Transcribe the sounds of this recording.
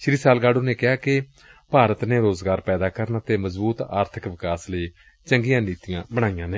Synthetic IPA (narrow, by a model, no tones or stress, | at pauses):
ʃɾiːsaːlɡaːɖõːneːkɪaːkɪ | paːɾət̪neːɾoːzɡaːɾpɛːd̪aːkəɾnat̪eːməzbuːt̪a̰ːɾt̪ʰɪkʋɪkaːsləiː | t͡ʃəŋɡijãːniːt̪ijãːbəɽ̃aːijãːneː